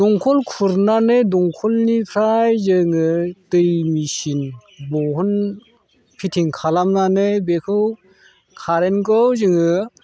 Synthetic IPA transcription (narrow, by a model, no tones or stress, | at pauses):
dɔŋkʰɔlkʰuɾnanɯdɔŋkʰɔlnipʰɾajzɯŋɯtɯjmisinbɔɦɔn | pʰitʰiŋkʰalamnanɯbekʰɯw | kʰaɾenkɔwzɯŋɯ